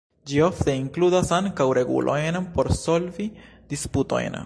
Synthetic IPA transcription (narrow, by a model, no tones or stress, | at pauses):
d͡ʒio̞ft̪e̞iŋkludasaŋkawɾe̞ɡṵlʔo̞̰jnpo̞ɾso̞lvi | disputo̞̰jn